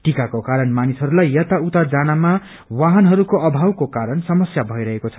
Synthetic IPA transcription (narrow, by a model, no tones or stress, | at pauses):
ʈikakokaɾʌnmanisɦʌɾulajːʌt̪aut̪ad͡zanama | waɦʌnɦʌɾukoʔʌbʱawkokaɾʌnsʌmʌsjabʱʌiɾʌɦekot͡sʰʌ̥